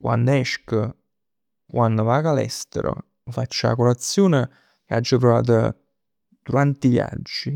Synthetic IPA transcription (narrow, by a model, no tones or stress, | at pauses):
kwʔa̰nd̪ɛʃkə | kwʔand̪ovaːɡalɛ̰st̪ḛɾo̰ | fat͡ʃːa̰koɾat̪sːjoːne | kead͡ʒːapɾova̰ːt̪̬ə | d̪̥uɾant̪ivja̰d͡ʒːi